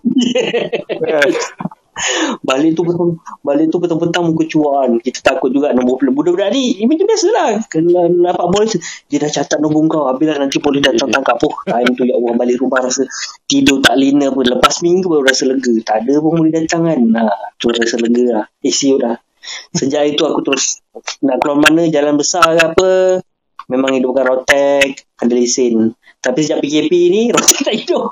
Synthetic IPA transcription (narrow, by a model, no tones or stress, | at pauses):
balɪʔt̪upət̪aŋbalɪʔt̪upət̪aŋpət̪aŋmukət͡ʃuaʔːnkit̪ə̥t̪akʊt̪̚d͡ʒuɡaʔnɔbʊplbudabədaʔdiimət̪əbiasəlah | napaʔbolɛstudiədaht͡ʃat̪at̪̚nobʊŋkawabɪlahnant̪ipolɪdat̪aŋaŋkapʊht̪aimt̪ujaʔbahbalɪʔɾubaɾasət̪idʊt̪aʔlinəapələpasmiŋɡubəuɾasələɡət̪adəpʊŋmulɪhdat̪aŋanat̪əɾʊsɾasələɡəlahisiuʔlah | səd͡ʒaʔit̪uakut̪əɾʊsnaʔkəluarmanəd͡ʒalanbəsarapə | memaŋidʊp̚kanrot̪ɛk̚kandəlisɪn | t̪apisəd͡ʒaʔpikepiniɾot̪ɛk̚t̪aʔidʊ